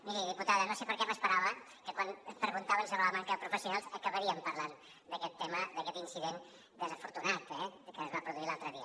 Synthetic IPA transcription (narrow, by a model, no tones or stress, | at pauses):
miɾiðiput̪aðənosepəɾkɛməspəɾaβə | kəkwanpɾəɣunt̪aβənsəβələmaŋkəpɾufəsijunalˠzəkəβəɾiəmpəɾlan | d̪əkɛt̪ːɛməd̪əkɛt̪insiðen | d̪əzəfuɾt̪unat̪ɛkəːzβapɾuðuilalˠt̪ɾəðiə